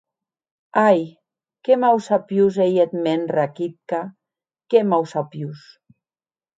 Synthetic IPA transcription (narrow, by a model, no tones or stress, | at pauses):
aj | kemawsapjuzejet̪menrakit̪̚ka | kemawsapjus